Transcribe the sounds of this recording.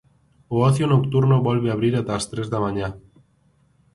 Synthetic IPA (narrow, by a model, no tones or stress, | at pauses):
ooθjonokt̪uɾnoβolβeaβ̞ɾiɾat̪aːst̪ɾe̞zðamaɲa